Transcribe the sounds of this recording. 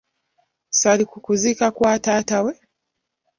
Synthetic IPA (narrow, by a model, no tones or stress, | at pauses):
salikukuzikakwatatawɛ